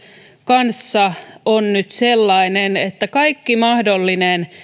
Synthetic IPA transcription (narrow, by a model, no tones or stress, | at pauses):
kɑnsːɑonnyt̪selːɑinenet̪ːækɑikːimɑhdolːinen